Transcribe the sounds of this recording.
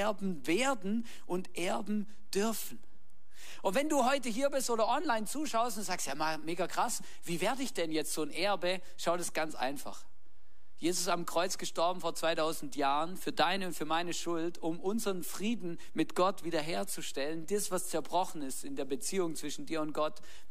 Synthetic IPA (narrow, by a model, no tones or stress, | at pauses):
ɐbm̩veːɐdn̩ | ʔʊntʔɛɐbm̩ | d̥ʏɐfn̩ | ʔʊntv̥ɛnduːɦɔʏtəɦiːɐbɪstoːɾɐʔɔnlaɪnt͡suːʃaʊəstʊnd̥uzaːkstjaːmameːɡakʁ̥as | v̥iːveːɐdəɪçd̥ɛnjɛt͡stz̥oːnʔɛɐbə | ʃaʊdasɡ̥ant͡sʔa̰ɪnfa̰χ | jeːzʊsamkʁ̥ɔʏt͡sɡ̥əʃtɔɐbm̩foːɐt͡sv̥aɪtʰaʊzn̩tjaːʁənfyːɐdaɪnəʊntfyːɐmaɪnəʃʊltʊmʔʊnzəʁənfʁ̥iːdn̩ | mɪtɡ̥ɔtv̥iːdɐɦeːɐt͡suʃtɛləndisv̥ast͡sɛɐbʁɔχn̩ɪstɪndeːɐbət͡siːʊŋt͡sv̥ɪʃn̩diːɐʊnt̚ɡ̥ɔt